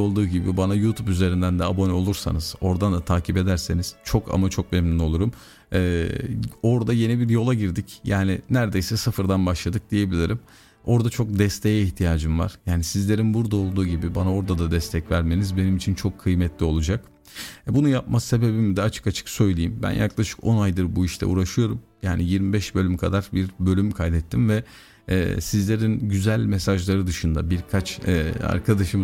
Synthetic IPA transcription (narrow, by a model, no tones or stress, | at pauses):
olˠd̪uːɟibibanajut̪ʰupyze̞ɾind̪ænd̪ɛabo̞nɛo̞lˠuɾsa̰nɯz̥o̞ɾd̪and̪at̪ʰaːcʰipe̞d̪æɾse̞niz̥t͡ʃʰo̞kʰa̰mat͡ʃʰo̞k̚mɛmnyno̞lˠuɾumː | o̞ɾd̪aje̞nibiɾjo̞lˠaɟiɾd̪icjaːnɪnæɾd̪e̞jsɛsɯfɯɾd̪anbaʃlˠad̪ɯk̚d̪̥ije̞bilʲiɾim | o̞ɾd̪at͡ʃʰo̞k̚d̪ɛst̪ʰejɛiçt̪ʰijaːd͡ʒɯmva̰ɾ̥jaːnisizlʲe̞ɾinbuɾd̪ao̞lˠd̪uːɟibibanao̞ɾd̪ad̪ad̪ɛst̪ʰɛcvæɾme̞nizbe̞nimit͡ʃʰint͡ʃʰo̞kʰːɯjmɛt̪ʰlʲio̞lˠud͡ʒak | bunujap̚mase̞be̞bimid̪ɛat͡ʃʰɯ̥kat͡ʃʰɯ̥ksø̞jlʲejimbæ̰njʔa̰klˠaʃɯ̥ko̞najd̪ɯɾbuiʃlʰɛ̰ṵːɾaʃɯjo̞ɾum | jaːnijiɾmibɛʃbø̞lʲymkʰad̪aɾbiɾbø̞lʲymkʰajd̪ɛt̪ʰːimvɛ | ɛ̰ːsizlʲe̞ɾinɟyzælʲmɛsaʒlˠaɾɯd̪ɯʃɯnd̪abiɾkʰat͡ʃɛa̰ɾkʰad̪aʃɯm